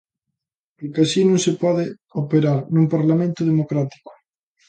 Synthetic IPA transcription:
pokasinõŋsepɔðɪ | opeɾaɾnũmpaɾlamẽnt̪ʊðemokɾat̪i̥kʊ̥

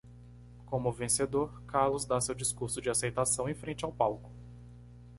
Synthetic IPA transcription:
kõmʊvẽsed̪oɾkaɾlʊzd̪asewd͡ʒiskuɾsʊd͡ʒɪasejt̪asɐ̃w̃ẽj̃fɾẽnt͡ʃɪawpawkʊ̥

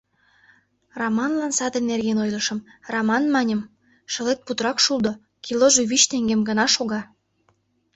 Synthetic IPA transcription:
romɑnlɑnsɑd̪enːerɣenojlə̆ʃə̆mrɑmɑnmɑnʲə̆m | ʃə̆let̪̚put̪ɾɑkʃuld̪ŏ | kʲʰiloʒeβit͡ɕt̪eŋɡemɡə̆nɑʃoɣɑ

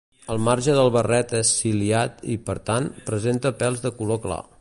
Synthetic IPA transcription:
əlˠmaɾʒəðəlˠβərɛt̪ɛsːiliat̪ḭpəɾt̪anpɾəzent̪əpɛlˠzðəkulokla̰

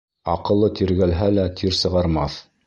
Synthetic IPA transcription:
ɑ̰qɤ̆lˠːɤt̪iɾɡælɦælæt̪ʰiɾsɤ̆ʁɑɾmɑθ

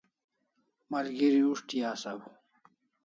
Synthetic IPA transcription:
mɐlɡiɾiuʂʈijaːsɐwu

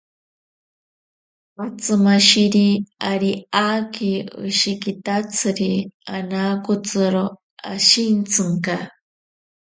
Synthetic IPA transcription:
mat͡sɨmaʃiɾiaɾiakiɨ̰ʃikit̪at͡sʰɨɾianakut͡sɨɾo | aʃint͡sʰɨŋka

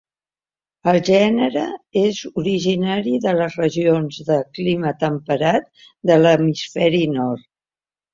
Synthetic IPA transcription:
əlˠʒɛnəɾəezuɾiʒinaɾiðələzrəʒionzðəklimət̪əmpəɾat̪̚ | d̪ələmisfɛɾinɔrt̪

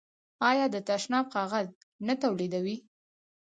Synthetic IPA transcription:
ɑjɑd̪ət̪aʃnɑbqɑɣaz | nat̪awled̪awi

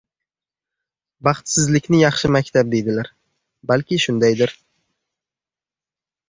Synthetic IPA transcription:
bɑχt̪sɪzlɪkʲnɪjɑχʃɪmakʲt̪ʰab̚d̪e̞jd̪ɪlaɾ | balkʲɪʃʊnd̪ajd̪ɪɾ

